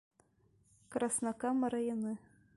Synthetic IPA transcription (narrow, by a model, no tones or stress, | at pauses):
krɑsnɑkɑmɤ̆ɾɑjɤ̆nɨ